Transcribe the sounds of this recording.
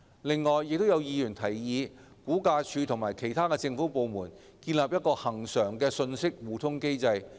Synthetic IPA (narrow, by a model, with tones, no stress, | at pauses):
lɪ˨˧ŋːɔː˨˩jːɪ˨k̚t̪o˥wjɐ˨˧wjiː˨˧jyː˨˩nt̪ʰɐ˨˩jːiː˨˧ | kuː˨˥kaː˧t͡ʃʰyː˨˧t̪ʰʊ˨˩ŋmaː˨˩jkʰe˨˩jt̪ʰaː˥kɛ˧t͡sɪ˧ŋfuː˨˥po˨˧wmuː˨˩n | kiː˧nlaː˨p̚jɐ˥t̚kɔː˧hɐ˨˩ŋsœː˨˩ŋkɛː˧sɵ˧nsɪ˥k̚wuː˨t̪ʰʊ˥ŋke˥jt͡sɐ˧j